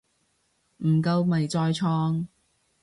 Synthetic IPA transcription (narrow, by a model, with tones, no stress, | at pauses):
m̩ː˨˩kɐ˧wmɐ˨jt͡sɔː˧jt͡ʃʰɔː˧ŋ